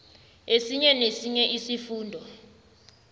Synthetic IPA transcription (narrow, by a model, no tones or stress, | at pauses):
esiɲɛnesiɲɛʔisifuːndʱɔ